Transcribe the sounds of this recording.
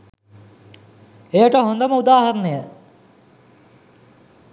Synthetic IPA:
ejəʈəɦond̪əməud̪aːhɐɾənəjə

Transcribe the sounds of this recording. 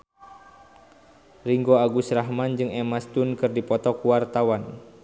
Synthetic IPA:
riŋɡoaɡusraɦmand͡ʒɨŋɛmast̪unkɨrdipɔt̪ɔkuwart̪awan

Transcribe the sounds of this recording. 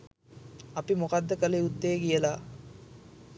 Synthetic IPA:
ɐpimokad̪ːəkəleud̪ːeːɡijəlaː

